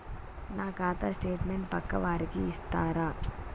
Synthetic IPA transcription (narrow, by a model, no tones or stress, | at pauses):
naːkaːt̪asʈeːʈmeɳʈ̚pɐkːɐʋaːɾikiːst̪aːɾaː